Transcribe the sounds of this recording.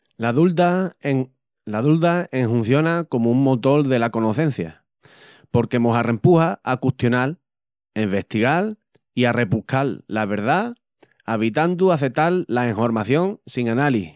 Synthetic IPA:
laðult̪aŋ | laðuld̪aeŋɦun̟θjo̞nako̞mouŋmot̪o̞ɾðe̞lako̞no̞θẽ̞n̟θja̰ | po̞ɾke̞moɦare̞mpuhaakuht̪jo̞nal | e̞mbe̞ht̪iɣal | iarʔe̞pukalːaβ̞e̞ɾða | aβ̞it̪and̪uaθe̞t̪alːaeŋɦo̞ɾmaθjo̞ŋsiŋanali

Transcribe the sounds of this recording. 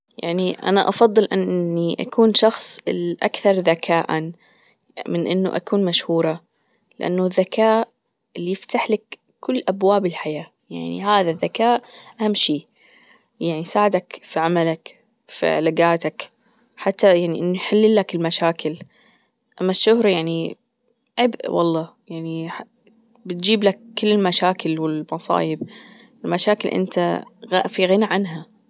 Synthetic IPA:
ja̰ʕniʔa̰naʔɑfɑðˤːɨlʔɪnnːiʔa̰kuːnʃɑxsˤɪlʔa̰kθɑɾˤðakʰaːʔan | mɪnʔɪnːṵʔa̰kuːnmaʃhuːɾˤɑ | lɪʔa̰nːuðːakaːʔ | ɪlːijɪft̪aħlakː | ʊlːʔabwaːbɪlħajaː | jaʕnḭhaːðaðːakaːʔʔahamːʃiː | jaʕnisaːʕɪd̪akfiʕamalak | fḭʕ̰laɡaːt̪ak | ħat̪ːajaʕniʔɪnːuħɪlːɪlːakɪlmaʃaːkɪl | ʔamːaʃːʊhɾjaʕni | ʕɪbʔwʔɑ̰lˤːɑːjaʕniħa | bɪt̪̚d͡ʒiːblakːɪlːɪlmaʃaːkɪlwɪlmɑsˤɑ̰ːjɪb | ʔɪlmaʃaːkɪlʔɪ̰nt̪aɣafiɣɪnaʕanɦa

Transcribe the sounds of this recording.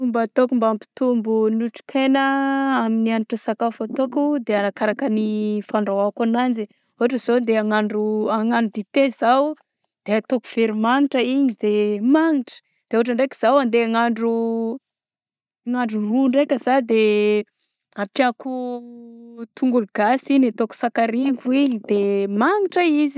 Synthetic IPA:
umbat̪okumbampi̥t̪umbunuʈ͡ʂi̥kʰenəaminianiʈ͡ʂəsakafat̪okud̪eanakaɾakənifaɳɖ͡ʐawakanand͡ʒi | uaʈ͡ʂəzond̪eaŋaɳɖ͡ʐuaŋaɳɖ͡ʐud̪it̪ezaw | d̪̥eat̪okuv̥eɾimaŋiʈ͡ʂəiɲid̪emaŋiʈ͡ʂə̥ | d̪̥euaʈ͡ʂəɳɖ͡ʐeki̥z̥awand̪eaŋaɳɖ͡ʐu | ŋaɳɖ͡ʐuruɳɖ͡ʐekʲəzad̪e | apjaku | t̪uŋɡuluɡ̥asiɲat̪oku̥sakaɾiviɲid̪̥emaŋiʈ͡ʂəizi̥

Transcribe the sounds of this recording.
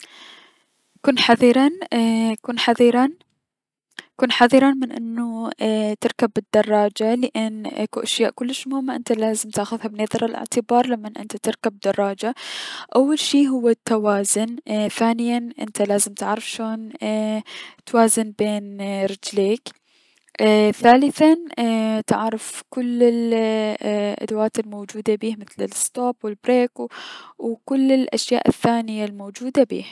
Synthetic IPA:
kuːnħɑðˤiɾˤɑnkuːnħaðˤiɾɑn | kuːnħɑðˤiɾˤɑnmɪnʔɪ̰nːut̪ɪɾkabɪd̪̥ːɑrˤːɑːd͡ʒalɪʔanʔakuʔaʃjaːʔkʊlːɪʃmʊhɪmːaʔɪnt̪alaːzɪmt̪aːxʊðhabneːðˤɑɾˤɪlʔɪ̰ʕt̪ɪbɑːɾˤlamːanʔɪ̰nt̪at̪ɪɾkab̚d̪ɑrˤːɑːd͡ʒaʔawːalʃiːɦʊwːat̪ʰːawaːzʊnθaːnɪjanʔɪ̰nt̪alaːzɪmt̪ɪʕɾɪfʃoːn | t̪waːzɪnbeːnɾɪd͡ʒleːkː | θaːlɪθant̪ɪʕɾˤɪfkʊlːɪl | ʔa̰d̪awaːt̪ɪlmoːd͡ʒuːd̪abiːhmɪθlɪlst̪oːbwɪlbɾeːkwkʊlːɪlʔaʃja̰ːʔɪθːaːnɪjalmoːd͡ʒuːd̪abḭːh

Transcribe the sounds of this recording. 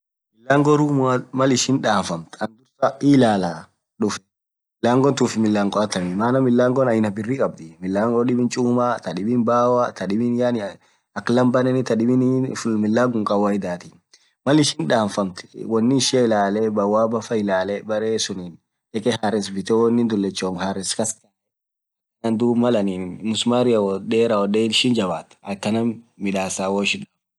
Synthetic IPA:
mɪlːaːŋɡɔɾuːmmɐlɪʃɪnᶑaːɱfɐmt̪ɐnd̪ʊɾsɐɪlaːlaː | ɗʊf | mɪlːaːŋɡɔnt̪uːfɪmɪlːaːŋɡʼɔɐt̪ːɐmɪmaːnɐmɪlːaːŋɡɔnɐjɪnɐbɪrːikʼɐb̚d̪ɪmɪlːaːŋɡɔɗɪbɪnt͡ʃʼuːmat̪ɐᶑɪbɪnbaːwat̪ʰɐᶑɪbɪnjanɪ | ɐklɐmbɐnɛnɪt̪ɐᶑɪbɪnfmɪlːaːɡʊŋkʼɐwaɪd̪aːt̪in | mɐlɪʃɪnᶑaːnfɐmt̪ɪ̥wɔnːɪɪʃɪɐɪlaːlɛbɐwaːbɐfɐɪlaːlɛbɐɾeːsʊnin | ɛkɛhaɾɪsbɪt̪ɛwɔnːɪnd̪ʊlːɛt͡ʃːoːŋhaɾɪskɐskɐɛ | nand̪uːbmɐlɐniːmʊsmaːɾɪjɐwɔdeːɾawɔdeːnʃɪnd͡ʒɐbaːt̪ɐkːɐnɐmmɪᶑaːsaːwoːɪʃɪnᶑaː

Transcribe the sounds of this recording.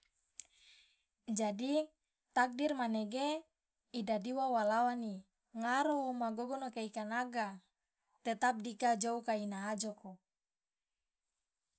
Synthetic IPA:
d͡ʒadi | t̪ak̚dirmaneɡe | idadiwawalawani | ŋaɾomaɡoɡɔnokeikanaɡa | t̪et̪ap̚dikad͡ʒoukainaɦːd͡ʒoko

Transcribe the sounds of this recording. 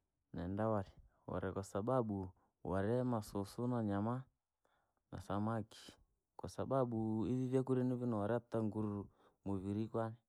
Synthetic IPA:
nɛ̰ndawaɾɛ | wa̰ɾɛkasaɓaɓu | wa̰ɾɛmasosunaɲama | na̰samaki̥ | kasaɓaɓuiðiβakuɾɛnuβinawaɾɛataŋɡuɾuɾu | moβiɾikwanɛ

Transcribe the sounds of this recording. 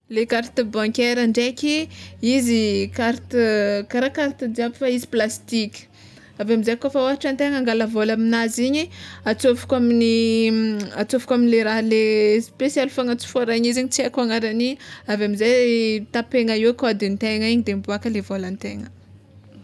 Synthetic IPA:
lekaɾt̪əbãŋkeɾəɳɖ͡ʐekʲiizikaɾt̪kaɾakaɾt̪id͡ʒiabfaiziplast̪ikʲi̥ | avamizakofaoɦaʈ͡ʂant̪eŋaŋɡalavolaminaziɲiat͡sofu̥kʲamini | at͡sofukaminileɾaɦalespesjalfaŋət͡si̥foaɾaɲiziɲit͡siakaŋaɾaniavamizat̪apeŋaiwkad̪int̪eŋaiɲid̪embuakəlevolant̪eŋə

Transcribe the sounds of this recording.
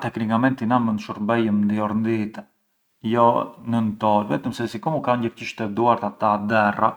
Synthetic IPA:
t̪ɛkɾiŋɡamɛnt̪inamənʃuɾbɛjəmnd̪iɔɾnd̪it̪ɛ | jɔnənt̪ɔlvɛ̰t̪əmsɛsikɔmukaɲɟəɾciʃt̪ɛd̪uaɾt̪at̪ad̪ɛra̰

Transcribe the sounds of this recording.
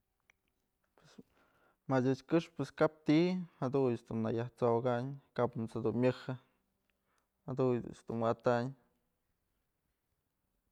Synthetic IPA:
pwes | madʲɨt͡ʃkɨʂpeskap̚t̪ihad̪uɲt͡ʃd̪unːajaht͡soɡaɲkapmut͡shad̪unmʲɨhɨ | had̪ujd̪ṵt͡ʃd̪unwat̪aɲ

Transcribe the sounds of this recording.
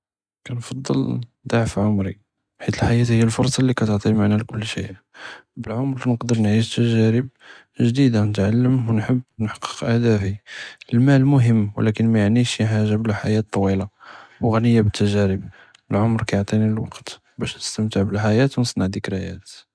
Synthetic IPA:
kænfɑd̪ˤːə̰ld̪ˤɑʕfʕʊmɾi | ħit̪əlħajæt̪həjːælfʊɾˤsˤɑlːikæt̪əʕt̪ˤimaʕnælkʊlːʃḭʔ | bəlʕomɾnəqd̪əɾˤnʕiʃt̪ːæʒæɾəb̚ | ʒd̪id̪anət̪ʕalːəmwənħəbːnħɑ̥qːə̥qʔæhd̪æfiəlmælmʊɦəmːwə̰lækənmæjaʕniʃjəħaʒːablæħajæt̪ˤːɑwilawɣænəjːabət̪ʰːæʒæɾəb | əlʕʊmɾkæjoʕt̪ˤiniəlwɑ̰qt̪ | bæʃnəst̪əmt̪əʕbəlħajæt̪wnəsˤnɑʕd̪ikɾæjæ̰t̪

